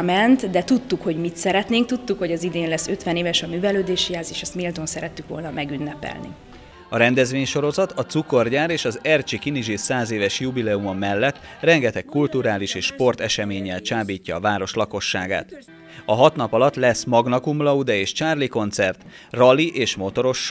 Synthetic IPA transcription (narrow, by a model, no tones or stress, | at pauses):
mɛnt̪d̪ɛt̪ut̪ːukho̞ɟmit̪sɛɾɛt̪neːŋk̚t̪ut̪ːukho̞ɟɒzid̪eːnlɛsːø̞t̪ʋɛneːvɛʃɒmyːvɛløːd̪eːʃijaːziːʃɛst̪milt̪o̞nsɛɾɛt̪ːykʋo̞̰lnɒmʔɛɡynːɛpɛ̰lnḭ | ɒɾɛnd̪ɛzʋeːɲʃo̞ɾo̞zɒt̪ɒt̪suko̞rɟaːɾeːʃɒzɛrt͡ʃikiniʒisaːzeːvɛʃjubilɛumomːɛlːɛt̪ː | rɛŋɡɛt̪ɛkːult̪uɾaːliʃeːʃʃpo̞rt̪ɛʃɛmeːɲɛlt͡ʃaːbiːcːɒːvaːɾo̞ʃlɒko̞ʃːa̰ːɡa̰ːt̪ | ɒɦɒt̪nɒpɒlɒt̪lɛsmɒɡnɒkumlɒud̪ɛeːʃt͡ʃaːrliko̞nt̪sɛrt̪ | rɒliʔeːʃmo̞t̪o̞ɾo̞ʃ